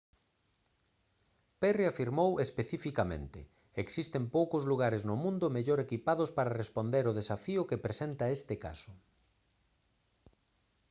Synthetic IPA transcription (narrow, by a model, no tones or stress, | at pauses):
pɛriafiɾmowespeθifikamḛ̃nt̪ɪ̰ | eksist̪empowkʊzluɣaɾeznʊmũnd̪ʊmeʎoɾekipaðʊspaɾɐrespond̪eɾʊð̞esafiʊkepɾesent̪ɐest̪ɪka̰sʊ